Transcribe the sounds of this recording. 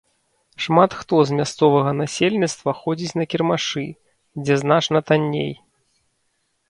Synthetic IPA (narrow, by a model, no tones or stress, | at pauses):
ʂmat̪xt̪ɔzmʲast̪sɔvɐɣɐnasʲelʲnʲit̪st̪vɐxɔd͡zʲit͡sʲnɐkʲirmaʂɨ | d͡zʲɛznat͡ʂnɐt̪anʲːḛj